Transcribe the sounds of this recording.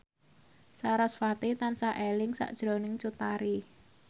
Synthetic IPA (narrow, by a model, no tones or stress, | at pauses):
saɾɔsfat̪it̪ansaʔelɪŋsa̰ʔd̥ʒ̥ɾo̤nɪŋt͡ʃut̪aɾi